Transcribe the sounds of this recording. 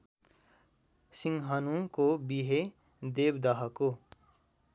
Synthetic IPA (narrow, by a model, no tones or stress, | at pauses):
siŋɡɦanũkobiɦe | d̪eːbd̪aɦako